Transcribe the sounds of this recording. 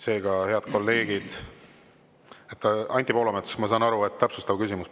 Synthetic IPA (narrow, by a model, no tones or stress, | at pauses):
se̞ːɡɑhe̞ɑd̪̥̚ko̞lːe̞ːɡ̥id̪̥ | et̪ːɑnʲt̪ʲːˑipo̞ːlomet̪smɑsɑːnɑɾue̞t̪ːt̪æpsust̪ɑvkysimus